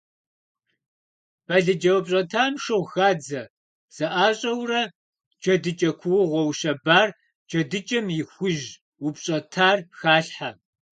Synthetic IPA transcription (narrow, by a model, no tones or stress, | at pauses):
b̥aɮɨd͡ʒɐwɐpʼɕʼɐtʰaːmʂɨʁʷxaːd͡zɐ | z̥ɐʔaːɕʼɐwrɐ | d͡ʒɐdɨt͡ʃʼɐkʷʰʊwʊʁʷɔwʃɐbaːr | d͡ʒʼɐdɨt͡ʃʼɐmjɪxʷʊʒ | wʊpɕʼɐtʰaːrxaːɬħa